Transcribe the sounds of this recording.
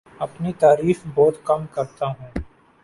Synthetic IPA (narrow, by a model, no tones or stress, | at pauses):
ɐpnit̪aːɾiːxbɔːt̪kɐmkɐɾt̪aɦũː